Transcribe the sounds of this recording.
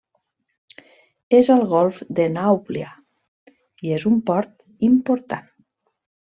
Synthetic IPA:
ezəlˠɣɔlˠfd̪enawplia | iezumpɔɾt̪ | impoɾt̪a̰n

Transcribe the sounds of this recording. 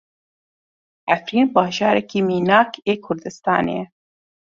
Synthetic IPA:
æfɾiːnbɑːʒɑːɾɛkiːmiːnɑːkʰeːkʰʊɾd̪ɨst̪ɑ̰ːnḛː

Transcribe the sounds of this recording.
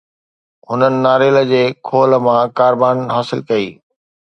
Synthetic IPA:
ɦʊnənɪ̆naːɾeːlə̆d͡ʑeːkʰoːləmãkaːɾbaːnɦaːsɪlkɐḭː

